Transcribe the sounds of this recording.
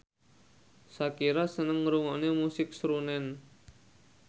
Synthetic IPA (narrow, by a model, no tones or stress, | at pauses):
sakiɾasənəŋːəɾuŋɔnemusɪk̚sɾunɛn